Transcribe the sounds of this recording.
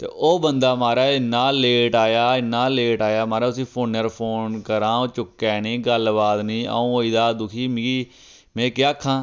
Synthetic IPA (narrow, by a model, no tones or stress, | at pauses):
t̪ḛːʔoːbənd̪aːmaːɾɛːɪnːaːleːʈaːjaːɪnːaːleːʈaːjaːmaːɾɛːʊsĩːpʰoːnəɾpʰoːnkəɾãːoːt͡ʃʊkːɛːniːɡəlbaːd̪nĩːə̰õːoːid̪aːd̪ʊkʰiːmɪːɡiː | mɛ̃ːkɪaːkʰːãː